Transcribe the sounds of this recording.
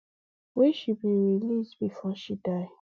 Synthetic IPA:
wɛʃibĩɹilisbifɔʃidaɪ

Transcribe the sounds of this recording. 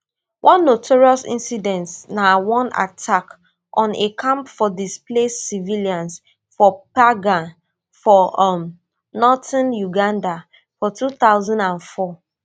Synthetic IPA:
wʔɔ̃nːotʰɔɹiɔsḭ̃nsidɛ̃ntnawɔ̃na̰tʰak | ʔɔ̃nekʰãmpfɔdisplesiviliãns | fɔpaɡã | fɔm | nɔtãnjuɡãnda | fɔtuθaʊzɔ̃ndãnfɔ

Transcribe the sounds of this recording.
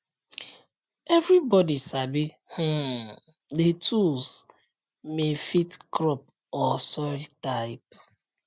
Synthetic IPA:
ɛvɾibɔdisabi | h̩ | detʰuls | mefitkɾɔp̚ | ɔsɔɪltaɪp̚

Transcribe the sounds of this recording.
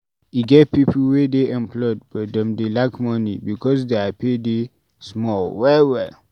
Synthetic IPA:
iɡɛt̚pipl̩wedeɛ̃npʰlɔd̚bɔdɛ̃mdelakmɔnḭbikɔs̬deapʰede | smɔlwɛlwɛl

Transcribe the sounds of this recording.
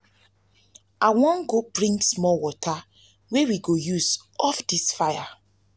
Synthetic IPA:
awɔ̃nɡopɹĩmsmɔwɔtʰa | wewiɡojuzɔfdisfaja

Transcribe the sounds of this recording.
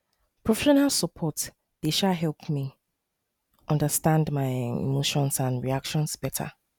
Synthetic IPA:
pɹɔfɛʃɔnalˠsəpʰɔt | d̥eʃaɦɛlˠpmi | ʔɔ̃ndəstãndmaɪḭmoʃɔ̃nsãnɹiakʃɔ̃nsb̥ɛtʰa̰

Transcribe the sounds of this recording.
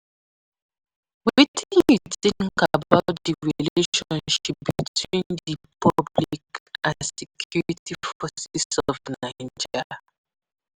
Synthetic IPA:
witĩnjuθĩŋkabaʊt̚diɹiileeʃɔ̃nʃip̚b̥itʰwĩnðipʰɔblikãnsɛkʰjjɔɹitifɔsɛsɔvnaɪnd͡ʒi

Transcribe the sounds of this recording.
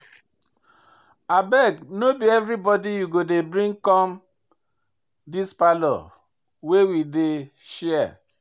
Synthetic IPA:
abɛɡnobiɛvɾibɔdijuɡodebɾĩŋkɔm | dispalɔ̰ | wewide | ʃɛa

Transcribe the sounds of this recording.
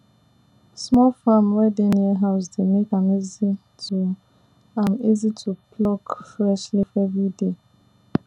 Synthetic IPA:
smɔlfamwɛdeniɛɦaʊsdemekãmizi | tʰu | ãmizitʰupʰlɔkfɹɛʃlifɛvɹide

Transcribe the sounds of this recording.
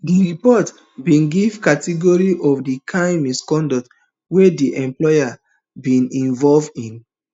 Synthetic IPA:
diɹipɔt | bĩnɡivkatiɡɔɹiʔɔfdikʰãɪ̃miskɔ̃ndɔt | wediʔɛ̃mplɔja | bĩnĩnvɔlvdĩn

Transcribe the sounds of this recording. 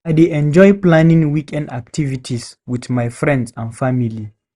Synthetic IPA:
ajdeɛ̃nd͡ʒɔjplãnĩŋwikʰɛ̃ndak̚tʰivitʰiswiθmajfɹɛ̃ndsãnfamili

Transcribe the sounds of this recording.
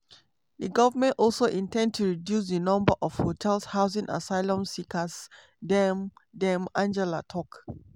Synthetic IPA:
diɡɔvəmɛ̃ntɔlsoʔĩntɛ̃nd̚tʰuɹidjus̬dənɔ̃mbəʔɔfhotʰɛlshaʊzĩŋʔa̰saɪlɔ̃msikʰəs | dɛmdɛ̃mãnd͡ʒɛlatʰɔk

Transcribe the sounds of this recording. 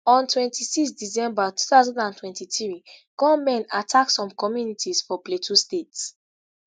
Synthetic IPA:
ɔ̃ntʰwɛ̃ntʰisikstdizɛ̃mbatu̥θaʊzãndãntʰwɛ̃ntiθɹiɡ̥ɔ̃mɛ̃natʰaksɔ̃mkɔmjunitʰizfɔpletʰustets

